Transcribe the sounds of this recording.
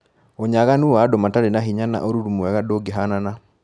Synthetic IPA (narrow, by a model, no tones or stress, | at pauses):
oɲaɣanuadomataɾenaɦiɲana̰ʔoɾuɾumuɛɣadoɡeɦanana